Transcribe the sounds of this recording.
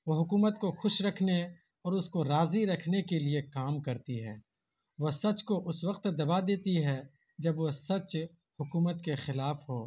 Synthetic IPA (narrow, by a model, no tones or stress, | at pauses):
ʋoːɦʊkuːmət̪koxʊʃɾɐkʰne | ɔːɾʊskoɾaːziɾɐkʰnekeliekaːmkɐɾt̪iɦɛ̰ː | ʋoːsɐt͡ʃkoʔʊsʋɐq̚t̪d̪ɐbad̪eːt̪iɦɛ | d͡ʒɐbʋosɐt͡ʃ | hʊkuːmət̪kexɪlaːfɦoː